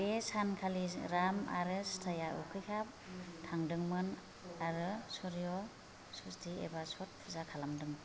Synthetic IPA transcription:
esankʰaliɾama̰ɾɯstʰajaʔṵkʰɯjkʰap̚tʰaŋdɯŋmɯn | aɾɯsɔɾijɔ | sustʰiḛbasɔt̚ʰzakʰalamdɯŋ

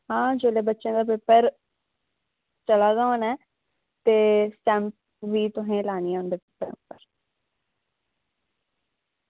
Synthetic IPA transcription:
ɦãːd͡ʒoːleːbətːʃẽːd̪aːpɪpːəɾ | t͡ʃəlaːzaːonɛː | t̪eːsʈɛ̃ːmp̚ | ʋiːt̪ʊɦẽːlaːniãːʊ̃nd̪eːpɪpːəɾḛ̃ʊ̰pːəɾ

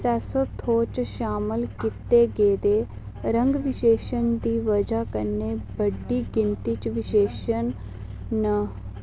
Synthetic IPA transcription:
sɛːsoːt̪ʰːoːt͡ʃʃaːmɪlkɪt̪eːɡeːd̪eː | ɾə̃ŋɡʋɪʃeːʃənd̪iːʋəd͡ʒaːkəneːbəɖːiːɡɪnt̪iːt͡ʃʋɪʃeːʃən | nə

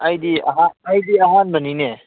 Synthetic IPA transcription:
ajd̪ia̰ɦanajd̪iaɦanbənine

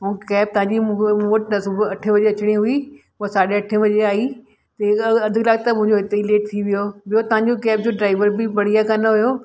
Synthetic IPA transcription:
ɦũkɛːp̚t̪ɐɦãɲd͡ʑimoːʈnɐsʊbɐʈʰə̃ʋɐd͡ʑeɐt͡ɕɪɽ̃iɦʊi | ʊasaːɗeɐʈʰə̃j̃ʋɐd͡ʑeaːi | t̪ɐɐd̪ʱɪɡlaːɡt̪ɐmʊ̃ɦɪ̃ɲd͡ʑoɦɪt̪eileːʈ̚t̪ʰiʋijoɓɪjot̪ɐʋɦãɲd͡ʑokɛːp̚d͡ʑoːɖɾaːɪʋəɾbɪpɐɽ̤ijakɐnɦʊjoː

